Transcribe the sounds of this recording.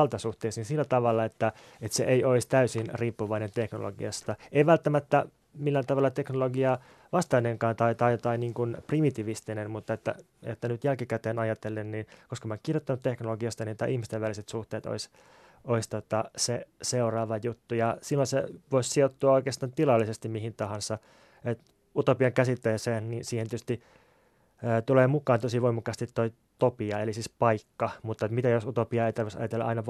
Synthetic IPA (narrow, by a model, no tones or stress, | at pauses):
lt̪ɑsuht̪eːsiːnsilːæt̪ɑʋɑlːɑet̪ːæ | et̪sḛʔejoist̪æysinriːpːuʋɑinent̪ekno̰lo̰ɡḭɑ̰st̪ɑeiʋælt̪ːæmæt̪ːæ | milːænt̪ɑʋɑlːɑt̪eknoloɡiɑ | ʋɑst̪ɑineŋkɑːnt̪ɑit̪ɑjt̪ɑiniːŋkunprimit̪iʋist̪inenmut̪ːɑet̪ːæ̰ | et̪ːænyt̪jælkikæt̪eːnɑjɑt̪elːenninkoskɑmɑokkirjot̪ːɑnut̪teknoloɡiɑst̪ɑnit̪ɑ̰ʔihmist̪eʋʋæliset̪suht̪eːt̪o̰is | oist̪ot̪ɑseseurɑːʋɑjut̪ːujɑsilːonsḛʋoissiot̪ːuɑoikeːst̪ɑːnt̪ilɑlːisest̪immihint̪ɑɦɑnsɑ | et̪ | ut̪opiɑŋkæsit̪ːeːseːnninsiːhent̪ːˑø̥st̪i | ət̪uleːmukˑɑːnt̪osiʋoimɑkːˑɑst̪it̪tːoi | t̪opiɑelisiːspɑikːɑmut̪ːɑet̪mit̪æjosut̪opiɑejt̪ɑrʋisɑ̰jɑt̪elːɑ̰ʔɑ̰inɑʋ